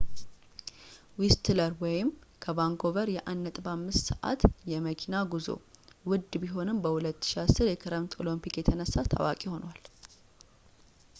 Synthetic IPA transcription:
wist̪ʰləɾwɔjɪmkʰəbaŋkʰo̞vəɾjɛʔanːət̪ʼbamːɨst̪səʔa̰t̪jɛməkʰinaɡuzo̰wʊd̪ːbiɦo̞nɨmbəhulət̪ːʃiasɨɾjɛkʰɨɾəmt̪ʰo̞lompikjɛt̪ʰənəsːat̪ʰa̰wa̰kʼiho̞nwal

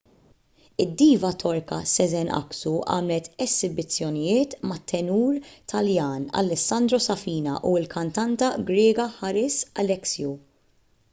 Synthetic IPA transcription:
ɪd̪ːiːvɐt̪ʰɔɾkɐsɛzɛnʔɐ̰ksuʔɐ̰ːmlɛt̪ɛzɪbɪt͡sːjɔnɪjɪːt̪mɐt̪ʰːɛnuːɾt̪ʰɐljɐːnɐ̰lːɛsːɐnd̪ɾɔsɐfiːnɐʔuɪlkʰɐnt̪ɐnt̪ɐɡɾɛːɡɐħɐɾɪsɐ̰lɛksju

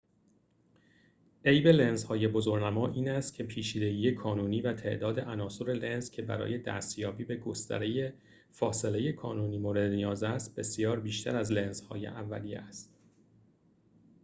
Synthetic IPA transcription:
e̞jbe̞le̞nzhɒːje̞bo̞zoɾnæmɒːʔiːnæst̪̚cʰe̞pʰiːt͡ʃʰiːd̪e̞ɡiːjekʰɒːnuːniːvæt̪ʰe̞̰ʔd̪ɒːd̪e̞ʔænɒːsoɾe̞le̞nzcʰe̞bæ̰ɾɒ̰ːje̞d̪æ̰ːst̪jɒːbiːbe̞ɡo̞st̪æ̰ɾeje̞ | fɒːse̞le̞je̞kʰɒːnuːniːmoːɾe̞d̪nijɒːzæst̪̚b̥e̞sijɒːɾbiːʃt̪ʰæɾæzlenz̥hɒ̰ːjḛʔævːæ̰lijḛæst̪

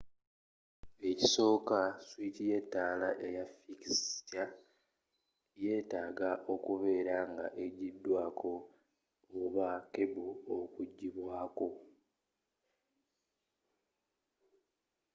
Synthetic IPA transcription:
e̞ciso̞ːkaswitije̞tːaːlaʔe̞jafiksta | je̞ːtaːɡaʔo̞kuβe̞ːɾaŋɡa̰ʔe̞ɟidːwaːkʰo̞ː | βake̞buokuɟːiβwaːko̞

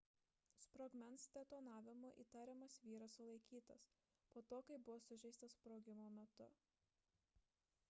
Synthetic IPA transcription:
spɾoːɡmʲɛnst̪ʲɛt̪oːnɑːʋʲɪmoːʔḭːt̪ɑːɾʲɛmɐsʋʲiːɾɐsʊlˠɐɪkʲiːt̪ɐs | poːt̪oːkɐɪbʊʋoːsʊʒʲɛɪst̪ɐspɾoːɡʲɪmoːmʲɛt̪ʊ̰

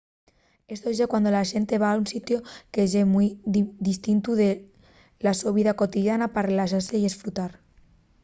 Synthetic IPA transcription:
est̪oʒekwand̪olaʒent̪eβaːunsit̪jokeʒemujd̪ist̪int̪uðe | lasoβiðakot̪iðjanaparelaʃaɾseiesfɾut̪aɾ

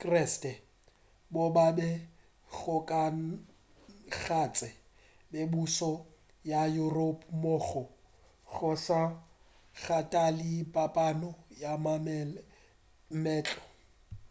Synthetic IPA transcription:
kʼrɛstɛ | bobabɛ | ɣʊkʼa | ɣat͡sʼɛ | bebusɔ | jajuropʰʼmoːɣɔ | ɣɔsa | ɣatʼalipʼapʼanɔjamm | mɛːt͡ɬʼɔ̥

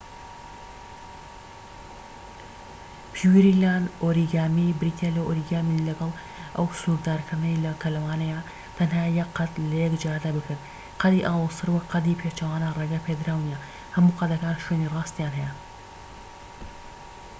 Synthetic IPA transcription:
pʰiwiɾilaːnʔoːɾiɡaːmibɾit̪ʰelawʔoːɾiɡaːmilɐɡɐlˠ | ʔɐwsukd̪aːɾkʰɐnɐjlɐkʰɐlɐwaːnɐja | t̪ʰɐnhaːjɐqːɐt̪lɐjɛkd͡ʒaːd̪abɨkʰɨɾt̪ | qʰɐd̪iʔaːwɨsɨɾwɐqʰɐd̪ipʰet͡ʃɐwaːnɐrˤeːɡapʰed̪ɾaːwnijɐ | hɐmuːqɐd̪ɐkaːnʃwenirɑːst̪jaːnɦɛjɛ

